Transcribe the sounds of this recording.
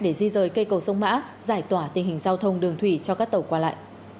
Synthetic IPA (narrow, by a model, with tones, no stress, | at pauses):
ɗe˧˩zi˧zəː˨˩jkə˧jkə˨˩wsə˧wŋ͡mma̰ː˧˥ | zaː˧˩jt̪waː˧˩t̪ï˨˩ŋ̟ɦï˨˩ŋ̟zaː˧wt̪ʰə˧wŋ͡mɗɨ˨˩əŋt̪ʰwi˧˩t͡ɕɔ˧kaː˦˥k̚t̪ə˨˩wkwaː˧la̰ː˧˨jʔ